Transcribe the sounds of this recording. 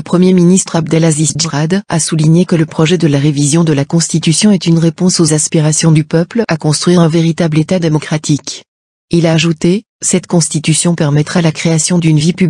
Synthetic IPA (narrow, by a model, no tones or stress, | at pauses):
ləpχəmjeminist̪χab̚d̪ɛlazisd͡ʒəʁad̪a̰suliɲekələpχɔʒɛd̪əlaʁevizjɔ̃d̪əlakɔ̃st̪it̪ysjɔ̃ɛt̪ynʁepɔ̃sozaspiʁasjɔ̃d̪ypœplakɔ̃st̪χwɥiʁɛ̃veʁit̪ablet̪ad̪emɔkχat̪ʰik | ilaːʒut̪e | sɛt̪kɔ̃st̪it̪ysjɔ̃pɛʁmɛt̪χalakχeasjɔ̃d̪ynvipy